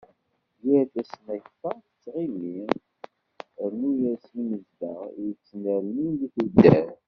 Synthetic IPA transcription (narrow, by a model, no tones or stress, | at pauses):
jæɾt̪æsənæçfɑθə̥t͡sːʁimi | əɾnujæsliməzd̪əʁjət͡sːnəɾnind̪iθud̪ːæɾ